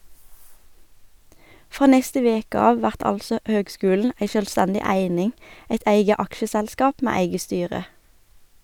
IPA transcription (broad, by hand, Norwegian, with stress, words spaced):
ˈfʁoː ˈnɛstə ˈʋeːkə ˈɑːʋ ˈʋæʁt ˈɑlsɔ ˈhøːɡˌskʉːln̩ ˈæɪ ʃœlˈstɛndɪ ˈæɪnɪŋ ˈæɪt ˈæɪɡə ˈɑkʃəˌsɛlˌskɑːp ˈmeː ˈæɪɡə ˈstyːʁə